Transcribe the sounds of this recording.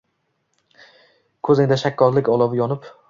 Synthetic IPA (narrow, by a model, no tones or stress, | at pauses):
kʰɵzend̪aʃakʲʰːɒɾlɪkʲɒlˠɒvɪjɒnɪp